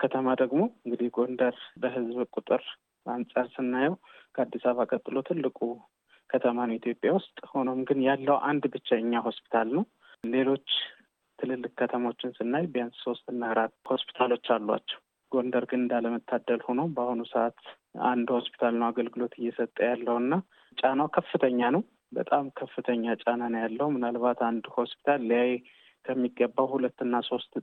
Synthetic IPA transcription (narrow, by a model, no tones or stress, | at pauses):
kʰət̪ʰəmad̪əɡmo̞ɨŋɡɨd̪ihɡo̞nd̪əɾbəhɨzbkʼut̪ʼɨɾ | ansʼaɾsɨnːajɛwkʰəad̪ːisaβakʼət̪ʼːɨlo̞t̪ʰɨlːɨkʼu | kʰət̪ʰəmanit̪ʰjo̞pʼjawʊst̪ʼho̞no̞mɡɨnjalːəwʔand̪bɨt͡ʃːaɨɲːaho̞spi̥t̪ʰalnəw | le̞lo̞t͡ʃː | t̪ʰɨlɨlːɨk̚ʼkʰːət̪ʰəmaot͡ʃːɪnsɨnːajbjansso̞st̪ɨnːaɾat̪ho̞spi̥t̪ʰalo̞t͡ʃːalːwa̰t͡ʃːɛ̥w | ɡ̥o̞nd̪əɾɡɨnd̪aləmət̪ʰːad̪əlho̞no̞bahonusəat̪ | a̰nd̪ho̞spʰi̥t̪ʰalnəwaɡəlɡɨlo̞t̪ʰɨjːɛsət̪ʼːəjalːəwɨnːa | t͡ʃʼanawkʰəfːɨt̪ʰəɲːanəw | bə̰t̪ʼamkʰəfːɨt̪ʰəɲːat͡ʃʼananjalːəhumɨnalbat̪and̪ho̞spi̥t̪ʰalːjajɛ | kʰəmːiɡːəbːawhulət̪ːɨnːaso̞st̪